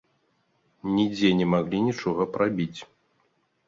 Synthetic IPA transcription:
nʲid͡zʲɛnʲɛmaɣlʲinʲit͡ʂɔɣɐpɾabʲit͡sʲ

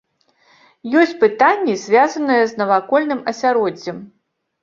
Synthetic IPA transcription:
jɔsʲt͡sʲpɨt̪anʲːizʲvʲazɐnɨjɛznɐvakɔlʲnɨmɐsʲaɾɔd͡zʲːɛm

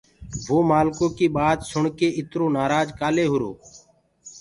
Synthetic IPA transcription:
ʋoːmaːlkõːkiːɓaːd̪sʊɳkeːɪt̪ɾõːnaːɾaːd͡ʒkaːleːɦʊɾo̰ː

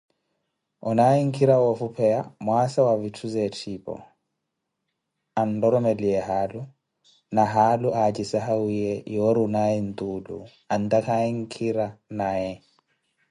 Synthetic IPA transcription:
ɔnaiŋ̩kʰiɾawɔfupʰɛa̰mwasawavitʰuzɛtʰipɔ̰ | andɔɾɔmɛliɛɦalu | naɦaluʔat͡ʃisaɦawiɛjɔɾunaɛnt̪ulṵ | ant̪akʰaɛŋ̩kʰiɾanajɛ

